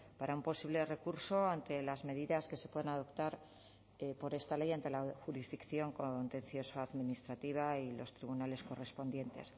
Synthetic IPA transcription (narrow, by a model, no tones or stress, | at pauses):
paɾaumpo̞siβle̞re̞kuɾso̞ant̪e̞lazme̞ðiðaske̞sepwe̞ðenaðo̞pt̪aɾ | po̞ɾe̞st̪ale̞jant̪e̞laxuɾizðikθjo̞ŋkont̪e̞n̟θjo̞saaðminist̪ɾat̪iβ̞ailo̞̰st̪ɾiβunale̞sko̞re̞spo̞nd̪je̞nt̪e̞̰s